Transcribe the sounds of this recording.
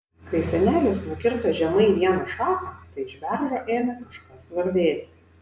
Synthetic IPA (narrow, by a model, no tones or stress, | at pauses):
kɐɪsʲɛnʲæːlʲʊsnʊkʲɪɾt̪oːʒʲɛmɐɪʋʲiɛnɐʃɑːkɐːt̪ɐɪɪʒʲʋʲæɾʒoːʔeːmʲɛkɐʃkɑsʋɐɾʲd̪ʲeːt̪ʲɪ